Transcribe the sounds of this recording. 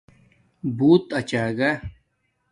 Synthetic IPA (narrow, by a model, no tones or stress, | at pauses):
buːt̪ɐt͡ɕaːɡa